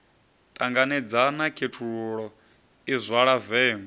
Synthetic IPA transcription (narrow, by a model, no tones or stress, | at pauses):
tʼaŋɡanɛd͡zanakʰetʰuɺɔ | izʷwaɺavɛːmɔ